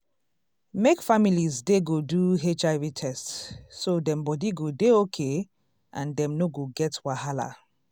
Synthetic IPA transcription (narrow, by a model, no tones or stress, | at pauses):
mekfamilizdeɡoduɦet͡ʃaɪvitʰɛstsːodɛ̃mbɔdiɡodeokʰe | ʔãndɛ̃mnoɡoɡɛtwahala̰